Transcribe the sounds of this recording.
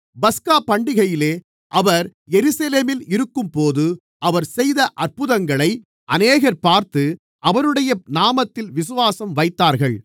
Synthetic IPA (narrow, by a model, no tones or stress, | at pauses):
bɐskaːpːɐɳɖɪɣɐjɪleː | ʔɐʋɐɾɛɾɯsɐleːmɪlɪɾɯkːɯmpoːðɯ | ʔɐʋɐɾsɛjðɐʔɐɾpɯðɐŋɡɐɭɐɪ | ʔɐneːɣɐɾpaːɾt̪ɯ | ʔɐʋɐɾɯɽɐjɐnaːmɐt̪ːɪlʋɪsɯʋaːsɐmʋɐɪt̪ːaːɾɣɐɭ